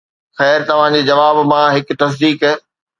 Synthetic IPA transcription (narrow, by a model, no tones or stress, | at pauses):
xɛːɾt̪ɐʋ̤ãd͡ʑeːd͡ʑɐʋaːbmãɦɪk̆t̪ɐs̬d̪iːkɦɛː